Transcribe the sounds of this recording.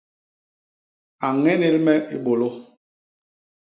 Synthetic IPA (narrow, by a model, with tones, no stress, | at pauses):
a˨ŋɛ˦ne˦lmɛ˦ʔi˦ɓo˨lo˦